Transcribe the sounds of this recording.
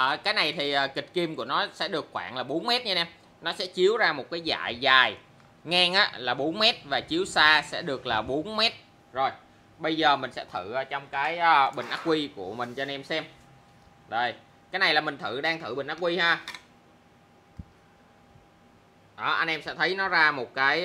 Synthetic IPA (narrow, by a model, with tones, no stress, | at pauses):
ʔəː˨˩kaː˨˦jna˨˩jt̪ʰi˨˩ʔaː˨˩ki˨˩t̟̚ki˧mku˧˩ənɔ˨˦sɛ̰˧˥ɗɨ˨˩əkxwa̰ː˧˩ŋlaː˨˩ɓo˨˦nmɛ˦˥t̚ɲa˧nʔɛ˧m | nɔ˨˦sɛ̰˧˥t͡ɕi˨˦əwzaː˧mo˨˩t̚kaː˨˦jza̰ː˧˨jzaː˨˩j | ŋaː˧ŋʔa̰ː˨˦laː˨˩ɓo˨˦nmɛ˦˥t̚vaː˨˩t͡ɕi˨˦əwsaː˧sɛ̰˧˥ɗɨ˨˩ək̚laː˨˩ɓo˨˦nmɛ˦˥t̚ | zo˨˩j | ɓə˧jzəː˨˩mï˨˩ŋ̟sɛ̰˧˥t̪ʰɨ˧˩ʔaː˨˩t͡ɕɔ˧wŋ͡mkaː˨˦jʔəː˧ɓï˨˩ŋ̟ʔaː˦˥k̚kwi˧ku˧˩əmï˨˩ŋ̟t͡ɕɔ˧a˧nʔɛ˧msɛ˧m | ɗə˨˩j | kaː˨˦jna˨˩jlaː˨˩mï˨˩ŋ̟t̪ʰɨ˧˩ɗaː˧ŋt̪ʰɨ̰˧˩ɓï˨˩ŋ̟ʔa˦˥kwi˧haː˧ | ʔəː˨˩ʔa˧nʔɛ˧msɛ̰˧˥t̪ʰə˨˦jnɔ˨˦zaː˧mo˨˩t̚kaː˨˦j